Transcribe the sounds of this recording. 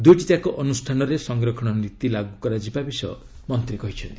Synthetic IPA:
d̪ujʈit̪akɔʔɔnusʈʰanɔɾesɔŋɡɾɔkʰɔɽ̃ɔnɾit̪ilaɡukɔɾad͡ʒibabisɔ̰ɔ̰ | mɔnt̪ɾikɔɦit͡ʃʰɔnt̪i̥

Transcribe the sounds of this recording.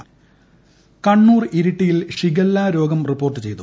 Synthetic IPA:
kɐɳːuːriɾiʈːijilʂiɡɐlːaːɾo̞ːɡɐmripːoːrʈ̬ːɨt͡ɕe̞jt̪u

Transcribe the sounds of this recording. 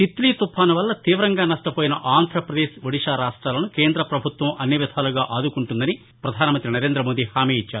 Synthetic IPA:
t̪it̪liːt̪upʰːaːnɐʋɐlːɐt̪iːʋɾɐŋɡaːnɐʂʈɐpoːjinɐʔaːnd̪ʱɾɐpɾɐd̪eːʃʋɐɽiʂaːɾaːʂʈɾaːlɐnuke̞ːnd̪ɾɐpɾɐbʱut̪ʋɐmɐnːjiʋid̪ʱʰaːluɡaːʔaːd̪ukuɳʈund̪ɐni | pɾɐd̪ʱaːnɐmɐnt̪ɾinɐɾeːnd̪ɾɐmoːd̪ihaːmiːit͡ʃːaːɾu

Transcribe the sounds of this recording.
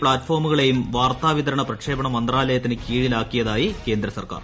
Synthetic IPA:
pɭaːtːfoːrmuɣɐɭe̞jumʋaːrt̪aːʋit̪ɐɾɐɳɐprɐkʂe̞ːbɐɳɐmːɐnd̪raːlɐjɐt̪ːinɨkiːɻilaːkːijɐðaːjike̞ːnd̪ɾɐsɐ̰rka̰ːr

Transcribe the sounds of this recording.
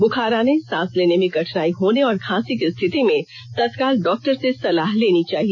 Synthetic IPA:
bʊkʰaːɾaːnesãːsleːnemẽɡɐʈʰnaːiɦoːneɔːɾkʰãːsikɪst̪ʰɪt̪imẽ | t̪ɐt̪kaːlɖɔːk̚ʈəɾsesɐlaːɦleːnit͡ʃaːɦie

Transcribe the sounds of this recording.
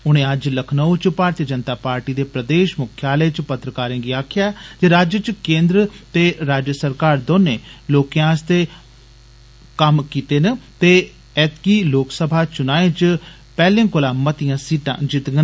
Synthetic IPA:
ʊñẽːəd͡ʒləkʰnəut͡ʃpaːɾt̪ijəd͡ʒənt̪aːpaːɾʈiːd̪eːpɾəd̪eːʃmʊkʰjaːləjt͡ʃpət̪ɾəkaːɾẽːɡiaːkʰɪjaːt̪eɾaːd͡ʒət͡ʃkẽːnd̪ɾət̪eːɾaːd͡ʒjəsəɾkaːɾd̪oːneːloːkjãːst̪eː | kəmkiːt̪eːnət̪eː | ɛːt̪kiːloːksəbʱaːt͡ʃʊnaːẽːt͡ʃ | pɛːlẽːkʊlãːmːət̪ijãːsiːʈã̰ːd͡ʒɪt̪ɡə

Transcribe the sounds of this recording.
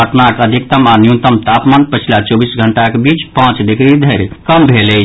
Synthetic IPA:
əʈnakəd̪ʱikt̪əmanijunt̪əmt̪apmaːnpət͡ʃʰilat͡ʃobisɡʱəɳʈakebit͡ʃpãt͡ʃd̪ikɾid̪ʱəɾkəmbʱele

